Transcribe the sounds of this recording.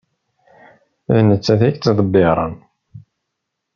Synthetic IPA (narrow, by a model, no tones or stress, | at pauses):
ðnət͡sːæθækt͡s̪ːðˤəbːɪɾˤɑ̰n